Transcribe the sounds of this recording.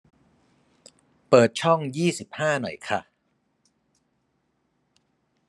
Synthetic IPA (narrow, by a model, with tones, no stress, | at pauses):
pɤː˨˩t̪̚t͡ɕʰɔ˥˩ŋjiː˥˩si˨˩p̚haː˥˩nɔ̰˨˩jkʰa˥˩